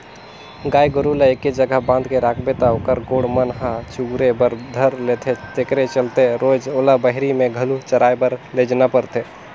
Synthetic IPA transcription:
ɡaːjɡoɾulaekːed͡ʒəɡəɦbãnd̪ʱkeɾakʰbet̪aokəɾɡoɽmənɦãt͡ʃuɡɾebəɾd̪ʱəɾlet̪ʰet̪ekɾet͡ʃəlt̪eɾod͡ʒolabəɦɾimeɡʱəlut͡ʃəɾaebəɾled͡ʒnapəɾt̪e

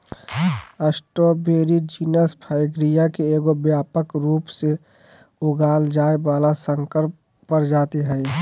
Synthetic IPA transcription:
əsʈobeːɾid͡ʒiːnəspʰaːɪɡɾijakeeːɡobjaːpəkɾuːpse | ʊɡaːld͡ʒaːebaːlasə̃ŋkəɾpː | əɾd͡ʒaːt̪iɦɛ

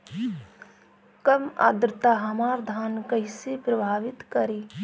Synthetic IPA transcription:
kɐma̰d̪ɾɪt̪aɦɐmaːɾd̪ʱaːnkəɦɪsepɾəbʱaːʋɪt̪kɐɾiː

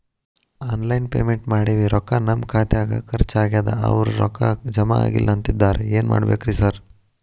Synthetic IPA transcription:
aːnlɐjnpeːmeɳʈmaːɽiʋiɾɔkːanɐmkʰaːt̪jaːɡɐ̰kʰɐɾt͡ʃaːɡaːd̪ɐ̰ɐ̰ʋɾuɾɔkːad͡ʒɐmɐa̰ːɡḭlʔɐːnt̪id̪ːaːɾeeːnma̰ːɽbeːkɾisɐɾ

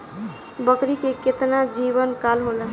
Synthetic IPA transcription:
bəkɾikeket̪nad͡ʒiʋənkalmolə

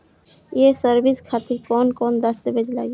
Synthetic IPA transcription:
jesəɾbɪskʰaːt̪ɪɾkɔːnkɔːnd̪əst̪bed͡ʒla̰ːɡa

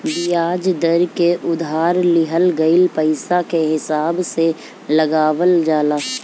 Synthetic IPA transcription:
bijaːd͡ʒd̪əɾkeʔʊd̪ɦaːɾlɪɦəlɡəɪlpəɪsakeɦɪsaːbse | lɐɡaːʋəld͡ʒaːlaː

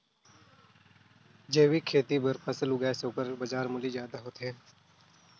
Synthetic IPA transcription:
d͡ʒeːʋiːkʰeːt̪ibəɾpʰəsəlʊɡaːsoːkəɾbəd͡ʒaːɾmʊlid͡ʒjaːd̪aɦoːt̪ɦeː

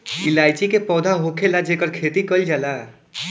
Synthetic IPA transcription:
ɪlaːjt͡ʃikepɔːd̪ʱaɦoːkʰelad͡ʒeːkəɾkʰeːt̪ikəld͡ʒala

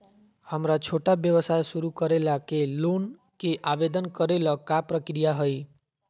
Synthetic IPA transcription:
həmɾat͡ʃʰoʈabjəʋəsajsuɾukəɾelakelon | keʔabed̪ənkəɾeləkːapɾəkɾijaɦəj

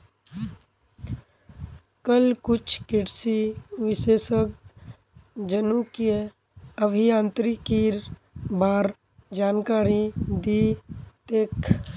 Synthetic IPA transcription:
kəlkʊt͡ʃʰkɪɽsiʋɪseːsək̚ | d͡ʒənũke | əbʱiãːnt̪ɾikiɾ | baːɾ | d͡ʒaːnkaːɾid̪iːt̪eːkʰ

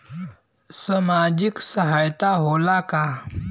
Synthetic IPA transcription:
sɐmaːd͡ʒɪksɐɦaːjt̪aɦoːlakaː

